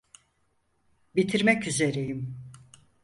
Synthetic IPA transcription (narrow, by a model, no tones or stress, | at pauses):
bit̪ʰiɾmɛcyze̞ɾejim